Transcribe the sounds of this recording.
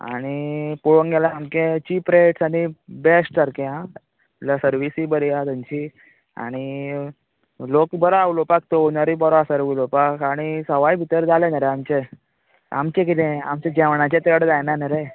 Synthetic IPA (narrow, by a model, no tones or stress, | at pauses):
a̰ɽ̃ipuɭõŋɡɛlaːmkẽt͡ɕipɾeʈsaɽ̃ibesʈəɾkeã | lasəɾʋisibəɾiat̪amt͡ɕi | a̰ɽ̃i | lokbəɾaawlopak̚t̪oonəɾibɔɾɔasəɾɡulopakaɽ̃isəʋajbʱit̪əɾd͡zalenəɾeamt͡ɕe | a̰mt͡ɕẽkit̪ẽamt͡ɕẽd͡ʑɛʋɳat͡ɕet̪əɽd͡zajnanəɾe